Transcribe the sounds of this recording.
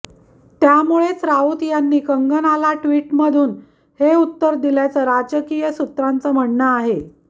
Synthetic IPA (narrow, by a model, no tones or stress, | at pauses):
t̪jamuɭet͡sɾauːt̪janːiːkəŋɡənalaʈʋiːʈməd̪ʱuːn | heut̪ːəɾd̪iljat͡səːɾad͡ʑəkijəsut̪ɾant͡səːm̤əɽnəaɦe